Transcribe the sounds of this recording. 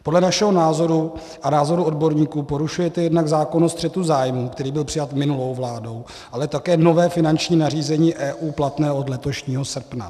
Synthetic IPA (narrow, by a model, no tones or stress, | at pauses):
po̞dlɛnaʃɛɦo̞naːzo̞ɾu | ʔanaːzo̞ɾuʔo̞dbo̞ɾɲiːkuːpo̞ɾuʃujɛt̪ɛjɛdnaɡzaːko̞nost̪r̥ɛt̪uzaːjmuːkt̪ɛɾiːbɪlpr̝̥ɪjat̪mɪnulo̞wvlaːdo̞w | ʔalɛt̪akɛːno̞vɛːfɪnant͡ʃɲiːnariːzɛɲiːʔɛːʔuːplat̪nɛːʔo̞dlɛt̪o̞ʃɲiːɦo̞sr̩pna̰